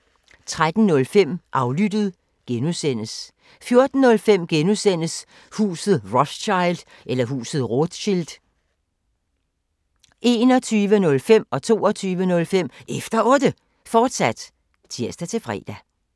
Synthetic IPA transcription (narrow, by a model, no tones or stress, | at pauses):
t͡sʰʁad̥n̩nɔ̽lfem̰ʔɑ̈ʊlyd̥əð̞̩ˠ | ɡ̥enusen̰əs | fjo̝ɐd̥n̩ːɔ̽lfem̰ɡ̥enusen̰əs | hṵːsð̩ˠʁɒsɕɑ̈ɪld̥ | ʔelɐɦṵːsð̩ˠʁod̥ɕild̥ | ʔe̝ːnɒ̽t͡sʰyːʋənɔ̽lfem̰ɒ̽t͡sʰo̝̰ːɒt͡sʰyːʋənɔ̽lfem̰efd̥ɐʔɔ̽ːd̥ə | fɒːd̥sæd̥ | t͡sʰiɐsd̥æt͡sʰe̝fʁɛ̰ːd̥æ